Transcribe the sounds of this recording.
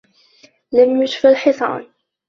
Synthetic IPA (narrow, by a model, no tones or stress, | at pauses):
ləmjʊʃfəlħɪsˤɑ̰ːn